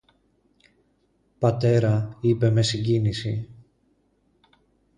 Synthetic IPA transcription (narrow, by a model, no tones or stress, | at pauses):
pɐt̪e̞ɾɐipe̞me̞siɲɟinisi